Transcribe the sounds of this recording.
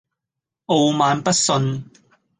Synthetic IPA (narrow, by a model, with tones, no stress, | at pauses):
ʔo˧wmaː˨˧npɐ˥t̚sɵ˧n